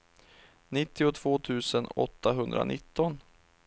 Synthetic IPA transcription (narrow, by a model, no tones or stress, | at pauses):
nɪt̪ːɪʊt̪ʰv̥oːt̪ʰʉ̟ːsənɔ̰t̪ːaɦɵnd̪ɾa̰nʔɪt̪ːɔn